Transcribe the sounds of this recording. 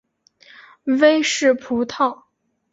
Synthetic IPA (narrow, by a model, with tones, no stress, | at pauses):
we˥ɪʂɻ̩˥˩pʰu˧˥t̪ʰɑ˥˩ʊ